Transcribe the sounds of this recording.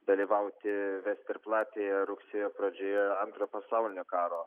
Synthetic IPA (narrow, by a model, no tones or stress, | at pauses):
d̪ɐlʲiːʋɐʊt̪ʲɪʋʲæːsʲt̪ʲɪɾplˠɑːt̪ʲeːjɛɾʊksʲeːjoːpɾɐd͡ʒʲoːjɛɐnt̪ɾoːpɐsɑʊlʲɪnʲokɑːɾoː